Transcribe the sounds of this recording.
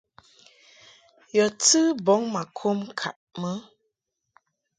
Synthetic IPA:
jɔ˨tɨ˦bɔ˨˦ŋma˨kʰo˦mkʰa̰˨ʔmə˦

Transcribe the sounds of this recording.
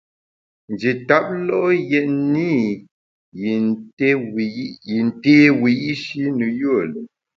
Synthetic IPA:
n˨d͡ʒi˨ta˦p̚lɔ˦jɛ˨ʔni˦˨˦ | ji˨n̩˨te˦wi˨i˦ʃi˦nə˨jə˦ə˨lə˨

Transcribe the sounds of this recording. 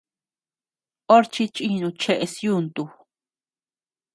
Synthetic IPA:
o˦ɾt͡ʃi˦t͡ʃʼi˦˧nũ˧t͡ʃe˦ʔe˧sju˦˧nt̪u˧

